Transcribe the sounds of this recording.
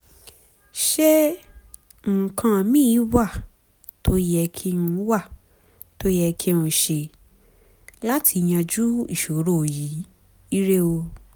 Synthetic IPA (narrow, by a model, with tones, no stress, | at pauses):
ʃe˦ | ŋ̩˨kʰã˧˨mĩ˦wa˦˨ | to˦jɛ˧kʰi˦˧nũ˧˦wa˦˨ | to˦jɛ˧kʰi˦nũ˧˨ʃe˧ | la˦tʰi˧˨jã˧d͡ʒu˦ḭ˦˨ʃo˨˦ɾo˦˨ji˨˦ | i˦ɾe˦o˧